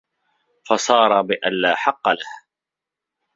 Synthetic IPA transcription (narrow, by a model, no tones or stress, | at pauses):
fɑsˤɑːɾˤɑbɪʔanlaːħɑqːɑlah